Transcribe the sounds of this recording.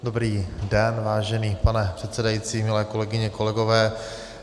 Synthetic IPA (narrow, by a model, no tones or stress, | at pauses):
dobɾiːdɛnvaːʒɛniːpanɛpr̝̥ɛt̪sɛdajiːt͡siːmɪlɛːko̞lɛɡɪɲɛko̞lɛɡovɛː